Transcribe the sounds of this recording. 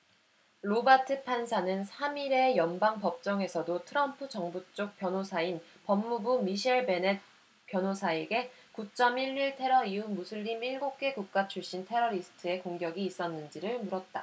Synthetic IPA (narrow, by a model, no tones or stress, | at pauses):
ɾobatʰɯpʰansʰanɯnsʰamiɾe̞jʌnbaŋpʌp̚t͡ɕ͈ʌŋe̞sʰʌdotʰɯɾʌmpʰɯd͡ʑʌŋbut͡ɕ͈ok̚p͈jʌnɦosʰain | pʌmːubumiɕʰieɭbe̞net̚ | pjʌnosʰaeɡe̞ | kut͡ɕ͈ʌmiʎːiɭtʰe̞ɾʌiumusʰuʎːimiɭɡok̚k͈e̞ɡuk̚k͈at͡ɕʰuɭɕ͈intʰe̞ɾʌɾisʰɯ̥tʰɯe̞koŋɡjʌɡiːs͈ʌnːɯnd͡ʑiɾɯɭmuɾʌt̚t͈a